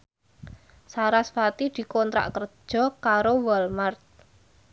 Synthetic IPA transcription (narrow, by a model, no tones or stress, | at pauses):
saɾasfat̪id̪̥i̤kɔnt̪ɾa̰ʔkər̥ʒ̥ɔ̤kaɾowɔlmart̪̚